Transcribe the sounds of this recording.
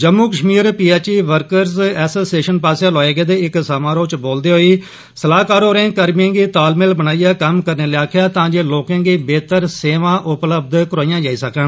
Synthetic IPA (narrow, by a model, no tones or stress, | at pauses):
d͡ʒəmːuːkəʃmiːɾpiːɛːt͡ʃiːʋəɾkəɾzɛːsoːseːʃənpaːsjaːloːeːɡeːd̪eːɪksaːmãːɾoːt͡ʃboːld̪eːɦoːiː | səlaːkaːɾoːɾẽːkəɾmẽːɡiːt̪aːlmɪlbənaːijaːkəmkəɾneːliːaːkʰɪjaːt̪ãːd͡ʒeːloːkãːɡiːbeːt̪əɾseːʋãːʔʊpləb̚d̪kɾaːijãːd͡ʒaːiːsəkəɳ